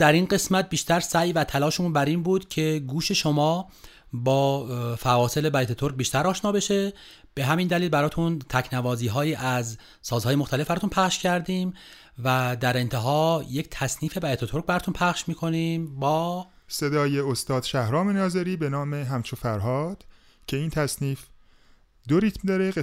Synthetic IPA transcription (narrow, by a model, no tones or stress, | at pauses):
d̪̥æɾinɢe̞smæt̪̚biːʃt̪æɾsæjvæt̪ʰælɒːʃeunbæɾiːnbuːd̪̥cʰe̞ɡuːʃe̞ʃomɒː | bɒːfævɒːse̞lebæjet̪ʰet̪ʰoɾk̚biːʃt̪æɾɒːʃnɒːbe̞ʃe̞ | b̥e̞ɦæmind̪æliːlbæɾɒːt̪ʰunt̪ʰæcʰnævɒːziːɦɒːjiːʔæz | sɒːzhɒːjemoχt̪æle̞fbæɾɔːt̪unpʰæχʃcʰæɾd̪iːm | væd̪æɾe̞nt̪ʰe̞ɦɒːje̞ct̪ʰæsniːfe̞bæjet̪ʰet̪ʰo̞ɾk̚bæɾɒːt̪ʰunpʰæχʃmiːkʰo̞niːmbɒː | se̞d̪ɒːjeost̪ɒːd̪̥ʃæhɾɒːme̞nɒːzeɾiːbe̞nɒːmeɦæmt͡ʃʰofæɾɦɒːd̪̥ | cʰe̞iːnt̪ʰæsniːf | d̪oɾit̪md̪ɒːɾee